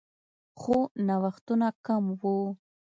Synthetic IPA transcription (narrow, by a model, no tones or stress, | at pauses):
xonawaχt̪unakamwo